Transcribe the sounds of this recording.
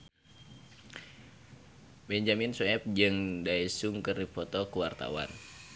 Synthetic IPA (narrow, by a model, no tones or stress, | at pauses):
bɛɲd͡ʒaminsuɛp̚d͡ʒɨŋdaisuŋkɨrdipɔt̪ɔkuwart̪a̰wa̰n